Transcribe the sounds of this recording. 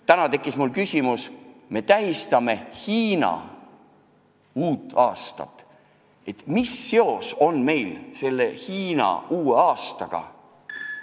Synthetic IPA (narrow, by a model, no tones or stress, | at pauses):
t̪ænɑt̪e̞kːˑismulkysʲimusme̞t̪æɦist̪ɑme̞hiːnɑ̰ | uːt̪ˑɑːst̪ɑ̰t̪ːˑ | e̞t̪misːe̞o̞so̞nme̞jlse̞lːe̞hiːnɑ̰uːe̞ɑːst̪ɑɡ̥ɑ̰